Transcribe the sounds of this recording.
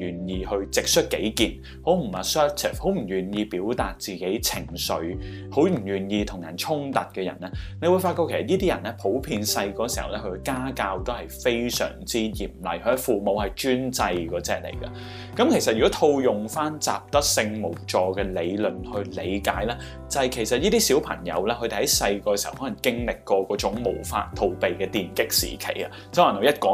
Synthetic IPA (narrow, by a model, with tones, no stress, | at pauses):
jyː˨˩njiː˨˧hɵ˧ɥt͡sɪ˨k̚sɵ˥t̚ke˨˥jkiː˨n | ho˨˥wm̩˨˩a˨sœː˥t̪ʰɪ̰˨˩fho˨˥wm̩˨˩jyː˨˩njiː˧piː˨˥wt̪aː˨t̚t͡siː˨ke˨˥jt͡sʰɪ˨˩ŋsɵ˨˧ɥ | ho˨˥wm̩˨˩jyː˨˩njiː˧t̪ʰʊ˨˩ŋjɐ̰˨˩nt͡sʰʊ˥ŋt̪ɐ˨t̚kɛː˧jɐ̰˨˩nɛː˥ne˨˧jwu˨˧jfaː˧t̚kɔ˧kʰe˨˩sɐ˨˩jiː˥t̪iː˥jɐ˨˩nɛː˥pʰo˨˥wpʰiː˧nsɐ˧jkɔː˧siː˨˩hɐ̰˨wlɛː˥kʰɵ˧kaː˥kaː˧wt̪o˥whɐ˨jfe˥jsœ̰ː˨˩ŋt͡siː˥jiː˨˩mlɐ̰˨jkʰfuː˨mo˨˧whɐ˨jt͡ʃyː˥nt͡sɐ˧jkɔː˨˥t͡sɛ̰ː˨k̚lḛ˨˩jkɐ̰˧ | kɐ˨˥mkʰe˨˩js̬ɐ˨t̚jy˨kɔ˨˥t̪ʰo˧wjʊ˨˩ŋfaː˥nt͡sa̰ː˨p̚t̪ɐ˥k̚sɪ˧ŋmo˨˩wt͡ʃɔː˧kɛː˧le˨˧jlɵ˨nhɵ˧ɥle˨˧jkaː˨˥jlɛː˥ | t͡sɐ˨˧hɐ˨jkʰe˨˩jsɐ˨t̚jiː˥t̪iː˥siː˨˥wpʰɐ̰˨˩ŋjɐ̰˨˧wlɛː˥kʰɵ˨˧d̪e˨˩hɐ˨˦˥jsɐ˧jkɔː˧kɛ˧si˨˩hɐ̰˨˩whɔː˨˦˥lɐ˨˩ŋkɪ˥ŋlɪ˨kːɔː˧kɔː˨˥t͡sʊ˨˥ŋmo˨˩wfa̰ː˧tt̪ʰo˨˧wpe˨jkɛː˧t̪iː˨nkɪ˥k̚sḭː˨˩kʰḛ˨˩jɐ̰˧t͡swno˨˧jɐ˥t̚kɔː˨˥